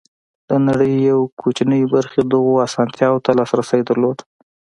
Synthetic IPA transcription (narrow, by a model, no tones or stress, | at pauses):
d̪̥ənaɽəjːawkʰot͡ʃnəjbaɾxed̪əɣoasɑnt̪jɑwot̪alɑsɾasəjd̪əɾlod̪